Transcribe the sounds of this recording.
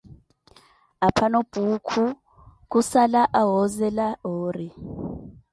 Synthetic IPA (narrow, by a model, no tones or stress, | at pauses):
apʰanob̥ʱukʰu | k̬ʼusalaʔaɦɔzɛlaoːri